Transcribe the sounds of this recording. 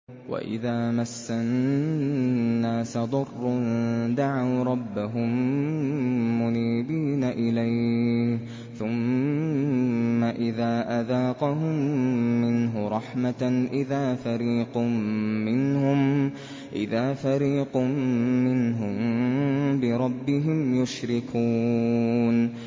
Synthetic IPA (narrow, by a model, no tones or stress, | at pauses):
wa̰ʔɪ̰ðaːmasːan | nːaːsad̪ˤʊrˤːʊd̪aʕawɾˤɑbːaɦʊm | ʊniːbiːnaʔɪlaj | θʊm | aʔɪðaːʔaðɑːqɑɦʊmːɪnɦʊɾˤɑħmaʔɪðaːfaɾiːqʊːɪnhʊm | ʔɪðaːfaɾiːqʊːɪnɦʊm | bɪɾˤɑbːɪɦɪmjʊʃɾɪkuː | n